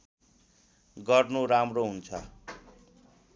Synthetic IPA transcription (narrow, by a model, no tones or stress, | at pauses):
ɡʌrnoɾamroɦunt͡sʰʌ